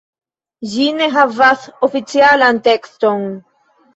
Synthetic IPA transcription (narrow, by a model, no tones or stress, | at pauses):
ʒineɦavasofit͡sialant̪ekston